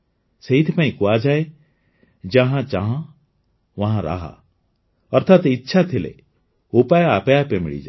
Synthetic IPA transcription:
seɦit̪ʰipãĩkuad͡ʒae | d͡ʒãɦãt͡ʃãɦã | ʋãɦãɾa̰ɦa̰ | ɔɾt̪ʰaːt̪itːʃʰat̪ʰilḛ | opajapejapemḭɭḭd͡ʒa̰

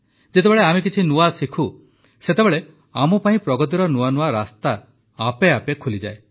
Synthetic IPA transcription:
d͡ʒet̪̬ebeɭeamek̬it͡ʃʰinuasikʰu | set̪ebeɭe | amɔpaĩpɾɔɡɔt̪̬iɾɔnuanuaɾast̪aː | peapekʰulid͡ʒae

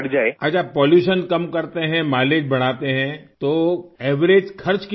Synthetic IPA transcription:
ɽd͡ʒaːeɐd͡ʒapɔːljuːʃənkɐmkɐɾt̪eɦɛ̃maːleːd͡ʒbɐɽ̤̃aːt̪eɦɛ̃t̪oːɛːʋɾeːd͡ʒkʰɐɾt͡ʃk

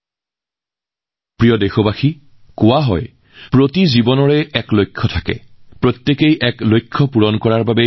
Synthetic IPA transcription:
pɹijɔdexɔbaxi | kʊwaɦɔj | pɹotizibɔnɔɹɛɛklojkʰːɔtʰakɛ̰pɹotjekejʔɛklojkʰːɔpuɹɔnkɔɹaɹbabɛ

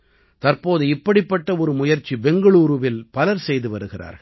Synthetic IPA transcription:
t̪ɐɾpoːðɯɪpːɐɽɪpːɐʈːɐɔɾɯmʊjɐɾt͡ʃːibɛŋɡɐɭuːɾɯʋɪlpɐlɐɾsɛjðɯʋɐɾɯɣɪra̰ːɾɐ

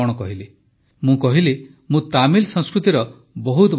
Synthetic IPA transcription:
ɔɽ̃ɔkɔɦili | mũkɔɦili | mũt̪amilsɔ̃ŋskɾut̪iɾɔ | bɔɦut̪ɔb

